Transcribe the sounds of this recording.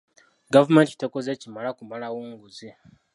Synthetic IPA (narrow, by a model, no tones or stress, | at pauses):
ɡavumenti̥tekozecimalakumalawoːŋɡuzi